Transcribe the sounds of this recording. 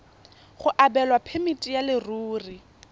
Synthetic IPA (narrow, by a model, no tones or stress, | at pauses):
χʊʔabɛlwapʰemitʼijalɪruːri